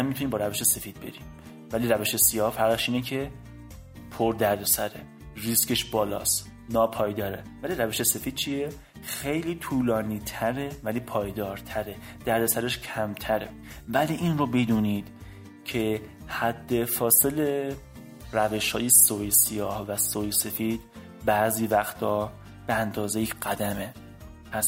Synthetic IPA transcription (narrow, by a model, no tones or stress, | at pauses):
æmit̪ʰuniːmbɒːɾæve̞ʃe̞se̞fiːd̪̚be̞̰ɾiːm | væliːɾæveʃesijɒːhfæɾʁeʃʔiːnecʰe̞ | pʰoɾd̪æɾd̪o̞sæɾe̞̰ | riskeʃbɒːlɒ̰ːst̪ | nɒːpʰɒːjd̪ɒːɾe̞væliːɾæve̞ʃe̞se̞fiːd̪̥̚t͡ʃʰije | xejliːt̪ʰuːlɒːniːt̪ʰæɾe̞væliːpʰɒːjd̪ɒːɾt̪ʰæɾe̞ | d̪̥æɾd̪æsæɾeʃkʰæmt̪ʰæɾe̞̰ | væliːʔinrobed̪uːniːd̪̥ | cʰe̞ | hæd̪ːe̞fɒːse̞le | ræve̞ʃhɒ̰ːjesojsijɒːhvæsojse̞fiːd̪̥̚ | bæːziːvæxt̪ʰɒː | b̥eænd̪ɒːzejecɢ̥æd̪æme̞ | pʰæs